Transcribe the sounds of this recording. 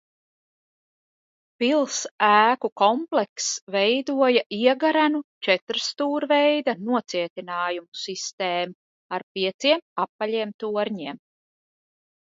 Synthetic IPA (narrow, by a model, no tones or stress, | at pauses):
pilˠsæːkukɔmpleksvɛjd̪uɔjaʔiɛɡaɾanut͡ʃɛt̪ɾst̪uːɾvejd̪anuɔt̪siɛt̪inaːjumusist̪eːmu | aɾpiɛt̪siɛmapːaʎʲiɛmt̪uɔɾɲiɛm